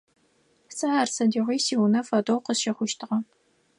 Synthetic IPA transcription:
sɐaːrsɐdiːʁʷiːsiwnɐfɐdoːwqəzʃɐχʷʊʃtʰɨʁɐ

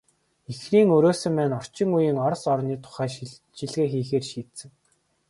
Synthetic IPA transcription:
ixriːŋɵɾoːsɵ̆mpæːnɔr̥t͡ɕɪ̆ŋujiːŋɔrsɔrniːt̪ʰʊ̥χæː | ʃiɮɣeːxiːxeːrʃiːt̪sɘ̆ŋ

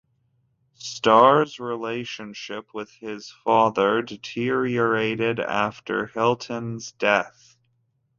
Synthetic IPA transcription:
stɑɹzɹileɪʃɨ̃nʃɪp̚ʰwɪð̥ɪz̥fɑðə˞dɨtʰɪɹiə˞eɪɾɪɾæ̰ftʰə̰˞hɪlˠtʰɨ̃nzdɛθ

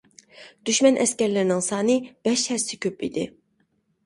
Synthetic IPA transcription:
d̪̥yʃmɛnʔɛskʲɛɾlɪɾɪnɪŋsɑːnɨb̥ɛʃhɛɾsɪkʲʰøpḭd̪ɪ

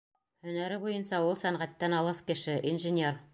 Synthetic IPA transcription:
hɵ̆næɾɘbujɤnsɑulˠsæŋʁæt̪ːænɑlˠɤskɘ̆ʃɘʔinʒɘ̆nʲer

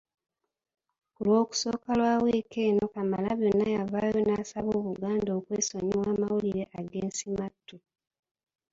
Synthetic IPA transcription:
kulwo̞ːku̥so̞ːkalwaːweːkeːno̞kamalaβjo̞nːajavaːjo̞naːsaβoːβuɡaːndo̞ːkweːso̞ɲiwaːmawuliɾe̞ʔaɡeːnsimatːu

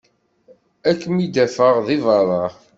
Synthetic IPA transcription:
ækːmid̪æfəʁðivɑɾˤɑ

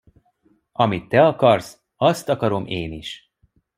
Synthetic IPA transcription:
ɒmit̪ːɛɒkɒrs | ɒst̪ɒkɒɾo̞mʔeːniʃ

